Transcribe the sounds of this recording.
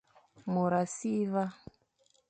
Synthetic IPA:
mu˨ɾa˨si˦βa˦

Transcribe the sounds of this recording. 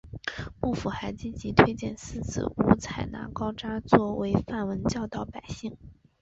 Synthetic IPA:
pu˥˩fu˨˩xa˧˥ɪt͡ɕi˥t͡ɕi˧˥t̪ʰwe˥ɪt͡ɕjɛ˥˩nsɹ̩˥˩t͡sʰɹ̩̰˨˩u˧˥t͡sʰa˨˩ɪna̰˧˥kɑ˥ʊʈ͡ʂa˥t͡swɔ˥˩we˧˥ɪfa˥˩nwə˧˥nt͡ɕjɑ˥˧ʊt̪ɑ˥˩ʊpa˨˩ɪɕi˥˩ŋ

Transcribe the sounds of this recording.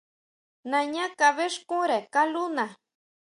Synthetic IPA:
nã˨ɲã˦ka˨βe˦ʂkũ˦ɾe˨ka˦lu˦na˨

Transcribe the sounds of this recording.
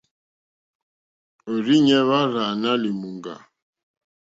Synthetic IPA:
o˨ɾi˦ɲɛ˦βa˦ɾa˨na˦li˨mu˨ŋɡa̰˨

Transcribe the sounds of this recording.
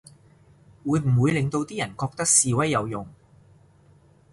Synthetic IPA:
wuː˨˧jm̩˨˩wuː˨˧jlɪ˨ŋt̪o˧wt̪iː˥jɐ˨˩nkɔː˧k̚t̪ɐ˥k̚siː˨˧wɐ˥jːɐ˨˧wjʊ˨ŋ

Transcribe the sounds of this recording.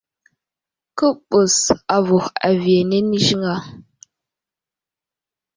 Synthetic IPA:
kə˦ɓə˨sa˨vu˨xa̰˨vje˨ne˦ni˦ʃi˦ŋa˨

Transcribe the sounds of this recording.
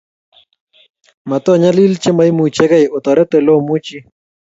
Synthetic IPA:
ma˨t̪o˦˨ɲa˦li˦lt͡ʃe˦ma˦jmu˨t͡ʃɛ˦ka˦jo˨t̪ɔ˨ɾɛ˦t̪ɛ˨lo˦mu˦t͡ʃi˦

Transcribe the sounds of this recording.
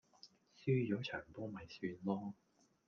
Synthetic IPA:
syː˥jɔː˨˥t͡ʃʰœː˨˩ŋpɔː˥mɐ˨˩jsyː˨˧nlɔː˥

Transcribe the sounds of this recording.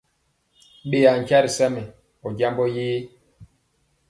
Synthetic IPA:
ɓe˨a˨ŋ˨ka˦ɾi˨sa˦mɛ˨ | ɔ˨ɟa˦mbɔ˦jiː˦

